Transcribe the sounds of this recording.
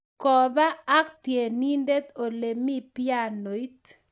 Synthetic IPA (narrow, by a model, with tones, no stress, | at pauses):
kɔ˨baː˦k̚t̪je˨ni˦nde˦t̪o˨le˨mi˦pja˦˨no˨i˦t̪